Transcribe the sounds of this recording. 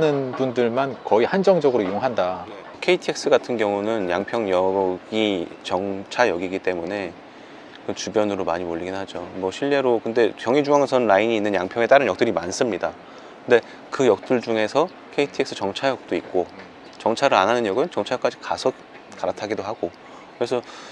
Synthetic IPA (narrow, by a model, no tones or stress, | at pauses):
nɯnbundɯɭmankʌihand͡ʑʌŋd͡ʑʌɡɯɾoijoŋɦandaje | kʰe̞itʰieks͈ɯɡatʰɯnɡjʌŋunɯnja̰ŋpʰjʌŋjʌɡit͡ɕʌŋt͡ɕʰajʌɡiɡit͈e̞mune̞ | kɯnt͡ɕubjʌnɯɾoma̰ɲimoʎːiɡinɦad͡ʑomwʌɕʰiʎːe̞ɾokɯnde̞kjʌŋid͡ʑuŋaŋesʰʌnɯnlaiɲiːnːɯnjaŋpʰjʌŋe̞t͈aɾɯnɲjʌk̚t͈ɯɾimans͈ɯmɲida | kɯnde̞ | kɯjʌk̚t͈ɯɭd͡ʑuŋe̞sʰʌ | kʰe̞itʰɯeks͈ʰɯt͡ɕʌŋt͡ɕʰajʌk̚t͈oik̚k͈o | t͡ɕʌŋt͡ɕʰaɾɯɾa̰nɦanɯnjʌɡɯnt͡ɕʌŋt͡ɕʰak͈ad͡ʑikasʰʌt | kaɾatʰaɡidoɦaɡo | kɯɾesʰʌ